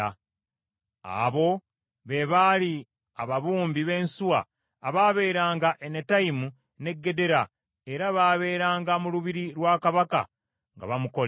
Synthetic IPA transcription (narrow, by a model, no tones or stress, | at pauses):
a | a̰ːβo̞ | βe̞βaːli | aβaβuːmbiβe̞ːnsuwa̰ː | βaːβe̞ːɾaːŋɡaʔenetaimu | ne̞ɡːe̞de̞ɾa | e̞ɾaβaːβe̞ːɾaːŋɡamuluβiɾiɾwaːkaβaka̰ | ŋɡa̰βamuko̞l